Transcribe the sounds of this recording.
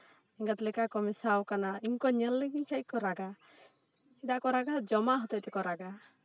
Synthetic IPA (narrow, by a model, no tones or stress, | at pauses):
iŋɡat̪lɛkakɔmisawkanaiɲkɔɲɛlːɛɡiɲkʰɛc̚kɔɾaɡa | ɛd̪aʔkɔɾaɡad͡ʒɔmaʔɦɔt̪ɔjt̪ɛkɔɾaɡa